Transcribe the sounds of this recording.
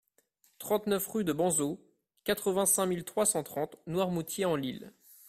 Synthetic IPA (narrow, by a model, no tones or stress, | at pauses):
t̪χɑ̃t̪nœfʁyd̪əbɑ̃zo | kat̪χəvɛ̃sɛ̃milt̪χwasɑ̃t̪χɑ̃t̪nwaʁmut̪jeɑ̃lil